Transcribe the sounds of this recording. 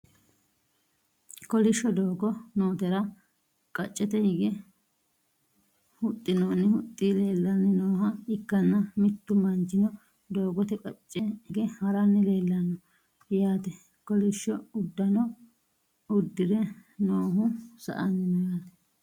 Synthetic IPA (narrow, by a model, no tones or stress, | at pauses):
kɔlɪʃːɔd̪o̞ːɡɔnoːt̪ɛɾɐ | kʼɐt͡ʃʼːɛt̪ɛhɪɡɛ | hʊt̪ʼːɪnoːnːɪhʊt̪ʼːileːlːɐnːɪnoːhɐɪkːɐnːɐmɪt̪ːʊmɐnd͡ʒɪnɔ | d̪o̞ːɡɔt̪ɛkʼɐt͡ʃʼːɛhɪɡɛhɐɾɐnːɪle̞ːlːɐnːɔ | jaːt̪ɛ | kɔlɪʃːɔʊd̪ːɐnɔ | ʊd̪ːɪɾɛnoːɦʊsɐ̰ʔɐnːɪmɐɡɐn